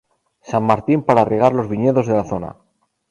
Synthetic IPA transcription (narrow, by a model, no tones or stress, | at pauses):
samːaɾt̪impaɾareɣ̞aɾlo̞zβiɲeðo̞zðe̞laθo̞na̰